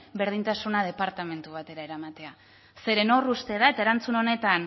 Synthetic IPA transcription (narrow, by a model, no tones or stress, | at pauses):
be̞ɾð̞int̪asunað̞e̞paɾt̪ame̞nt̪uβ̞at̪e̞ɾaeɾamat̪e̞a | se̞ɾe̞no̞rust̪e̞ð̞ae̞t̪ae̞ɾant͡suno̞ne̞t̪an